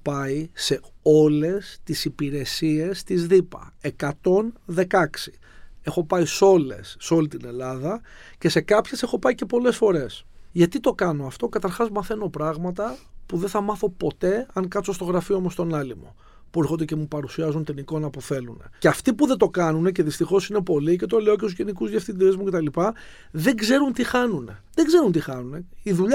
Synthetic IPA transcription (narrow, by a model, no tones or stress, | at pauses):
pɐise̞o̞le̞st̪isipiɾe̞sie̞st̪izðipɐ̰e̞kɐt̪o̞nðe̞kɐksi̥ | e̞xo̞pɐiso̞le̞̰sːo̞lit̪ine̞lɐðɐ | ce̞se̞kɐpçese̞xo̞pɐice̞po̞le̞sfo̞ɾe̞sʝɐt̪it̪o̞kɐno̞ɐft̪o̞kɐt̪ɐɾxɐzmɐθe̞no̞pɾɐɣmɐt̪ɐpuðeθɐmɐθo̞po̞t̪e̞ɐŋkɐt̪t͡so̞st̪o̞ɣɾɐfiomost̪onɐlimo | pueɾxond̪ecemupɐɾusiɐzunt̪iniko̞nɐpoθe̞lune̞̰ceɐft̪ipuðet̪o̞kɐnunece̞ðist̪ixo̞sine̞po̞lice̞t̪o̞le̞o̞c̬et̪uzʝenikuzʝefθind̪ezmuce̞t̪ɐlipɐ | ðe̞ŋɡze̞ɾunt̪ixɐnune̞̰ðeɡze̞ɾunt̪ixɐnune̞iðuʎ